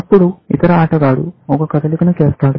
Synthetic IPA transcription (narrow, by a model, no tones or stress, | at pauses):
ɐpːuɽuḭt̪ɐɾɐaːʈɐɡaːɽṵɔkɐkɐd̪ɐlikɐnukɛːst̪aːɽu